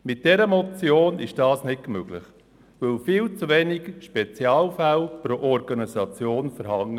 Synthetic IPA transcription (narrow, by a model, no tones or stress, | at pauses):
mɪt̚d̥ɛɾəmɔt͡sjoːnɪʃd̥ɑːsnɪkkmøɡ̥lɪχ | ʋɵlfɪːlt͡suʋɛnɪɡʃpɛt͡sjɑːlfælpɾoʔɔɾɡɑnisɑt͡sjoːnfəɾhɑŋə